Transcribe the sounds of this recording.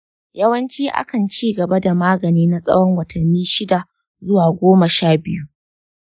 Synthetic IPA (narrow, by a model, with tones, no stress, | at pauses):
jɐ˦wɐ˦nt͡ʃiː˦ʔa̰˦kɐ˨nt͡ʃiː˦ɡɐ˨ba˦da˨maː˦ɡɐ˨niː˦na˦sʼɐ̰˦wɔ˦ŋwɐ˨tʰɐ˨nːiː˦ʃɪ˦da˨ | zʊ˦waː˨ɡʷoː˦mɐ˨ʃaː˦bɪ˦ju˦ʔ